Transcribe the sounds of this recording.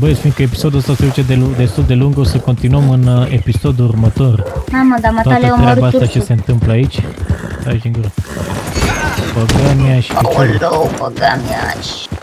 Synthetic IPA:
bəjesfin̚kəepi̥so̞d̪uəst̪aseut͡ʃed̪elud̪e̞st̪uld̪e̞luŋɡosəko̞nt̪inuəmɨne̞piso̞d̪uurmət̪o̞raməd̪amat̪aloɾeaabaasat͡ʃe̞se̞ɨnt̪ɨmpləait͡ʃʲaʃiŋɡuɾ | pəɡaniaʃpit͡ʃoɾopəɡamia̰ʃ

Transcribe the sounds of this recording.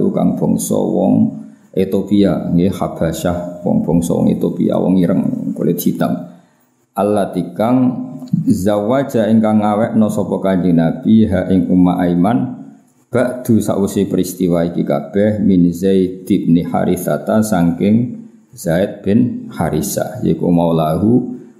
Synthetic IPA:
lṵka̰ŋb̥ɔŋsɔ̰wɔŋ | et̪opiaiŋɡehab̥a̤ʃahwɔ̰ŋb̥ɔ̤ŋsɔ̰wɔ̰ŋḛt̪opḭa̰wɔ̰ŋiɾəŋkolʔedd͡ʒ̥it̪aŋ | ʔalːat̪ikaŋ | zawad̥ʒ̥aʔɪŋkaŋawɛʔnɔsɔpɔkaɲd͡ʒinab̥iɦaʔɪŋumaʔaiman | b̥aʔd̪̥ṳsa̰ʔwusɪpəɾist̪iwaikika̰b̥ɛhminzeid̪̥ip̚nɪha̰ɾiθa̰t̪asaŋkɪŋ | z̥aɪt̪̚b̥ɪnhaɾisa̰jḛiko̰maulaɦu

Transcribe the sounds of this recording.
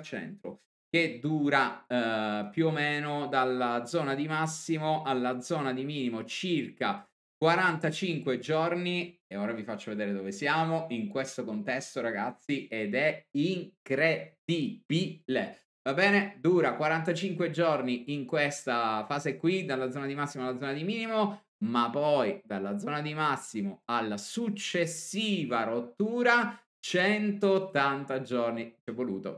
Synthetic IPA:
t͡ʃɛ̰nt̪ɾo̰ | ked̪uːɾa | pjuomeːnod̪alːad̪zɔːnad̪imasːimoʔalːad̪zɔːnad̪imiːnimot͡ʃirka | kwaɾant̪at͡ʃiŋkwed͡ʒornieoːɾavifat͡ʃːoved̪eːɾed̪ovesjaːmoiŋkwest̪okont̪ɛst̪oɾaɡat̪sːied̪ɛiŋkɾed̪̥ib̥ile | vabɛːned̪uːɾakwaɾant̪at͡ʃiŋkwed͡ʒorniiŋkwest̪afaːzekwid̪alːad̪zɔːnad̪imasːimoalːad̪zɔnad̪imiːnimo | mapːɔjd̪alːad̪zːɔːnad̪imasːimoalːasut͡ʃːesːiːvarot̪ːuːɾa | t͡ʃɛnt̪oːt̪ːant̪ad͡ʒornit͡ʃɛvːolṵːt̪o̰

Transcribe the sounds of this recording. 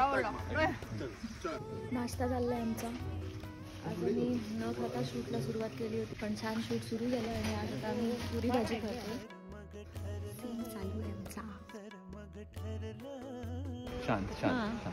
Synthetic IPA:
a | nast̪ad͡zalːajamt͡sa | asəmiːnək̪ʰət̪aɕuːʈlasuɾuʋat̪keliːɦot̪iːpəɳt͡ɕʰanɕuːʈsuɾuːɡʱaləaɽ̃iad͡zt̪amiːpuɾiːbʱad͡ʑiːk̪ʰəɾai | t̪int͡salujamt͡sa | ɕã̰nt̪ɕa̰n

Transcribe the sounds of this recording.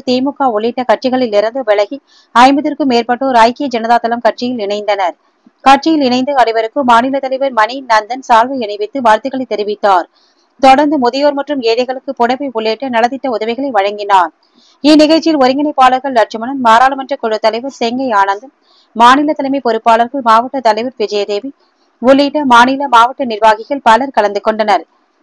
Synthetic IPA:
t̪eːmɯkːaːʊɭeːʈːɐkɐʈ̚t͡ʃɪɣɐɭɪlːɪɾɐnd̪ɯʋɛɭɐɣi | ɐɪmbɯðɪɾkɯmeːrpɐʈːoːɾɐjkejɐd͡ʒɐnɐðaːt̪ːɐlɐmkɐʈ̚t͡ʃɪjɪlɪɳɐɪnd̪ɐnɐɾ | kɐʈ̚t͡ʃɪjɪlɪɳɐɪnd̪ɐɐɽɐɪʋɐɾɯkːɯmaːnɪlɐt̪ːɐlɐɪʋɐɾmɐninɐnd̪ɐnsaːlʋɐɛɳɐʋɪt̪ːɯʋaːɾt̪ɐɪɣɐɭɐɪt̪ːɛɾɪʋɪt̪ːaːɾ | t̪ɔɽɐɾnd̪ɯmʊðɪjoːɾmɐʈrɯmeːðɐɪɣɐɭɯkːɯpɔɽɐʋɐɪʊɭːeːʈːɐnɐlɐðɪʈːɐʊðɐʋɐɪɣɐɭɐɪʋɐɻɐŋɡɪnaːɾ | inɪɣɐɻʈt͡ʃːɪjɪlɔɾɪŋɡɐnɐɪpːaːlɐɾɣɐɭnɐʈ̚t͡ʃɯmɐnɐnmaːɾaːlɐmɐnʈrɐkːɔɻɯt̪ːɐlɐɪʋɐɾsɛŋɡɐɪaːnɐnd̪ɐ | maːnɪlɐt̪ːɐlɐmɐɪpɔɾɯpːaːɭɐɾɣɐɭmaːʋɐʈːɐt̪ɐlɐɪʋɐɾʋɪd͡ʒɐjɐðeːʋi | ʊɭːiːʈːɐmaːnɪlɐmaːʋɐʈːɐnɪɾʋaːɣɪɣɐɭpɐlɐɾkɐɭɐnd̪ɯkːɔɳɖɐnɐɾ

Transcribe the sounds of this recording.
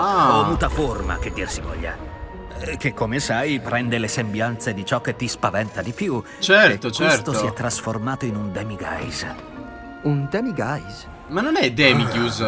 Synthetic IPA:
avɔmut̪aforma̰k̟ed̪ːirsivɔ̰ʎːa̰ | k̟ekːomesajpɾɛnd̪elesembjant̪sed̪it͡ʃɔk̟ːet̪ːispavɛnt̪ad̪ipju | t͡ʃɛɾt̪ot͡ʃɛsst̪osiɛt̪ːɾasformaːt̪oinund̪ɛːmiɡa̰jz | und̪ɛmiɡajz | manːonɛd̪ɛːmikjuːz

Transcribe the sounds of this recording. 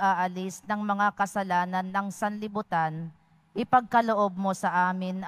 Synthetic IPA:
ʔaʔɐlɪsnɐŋmɐŋakɐsɐlaːnɐnːɐŋsɐnlɪbʊt̪an | ʔɪpɐɡ̚kɐloʔo̞b̚mo̞sɐʔaːmɪnʔ

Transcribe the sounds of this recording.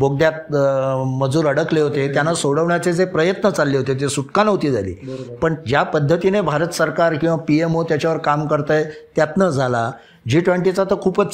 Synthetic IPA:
boɡ̚d̪jat̪̚ | məd͡zuːɾəɽəkleɦot̪et̪janːasoɽəʋɳjat͡sed͡zepɾəjət̪nət͡salːeɦot̪et̪esuʈkanɦot̪iːd͡zʱalḭːpəɳd͡ʑjapəd̪ʱːət̪inebʱaɾət̪səɾkaɾkĩw̃ʋapiemot̪jat͡ɕjaʋəɾkamkəɾt̪əjt̪jat̪nəd͡zʱala | d͡ʑiːʈʋeɳʈit͡sat̪əkʰuːpət͡sː

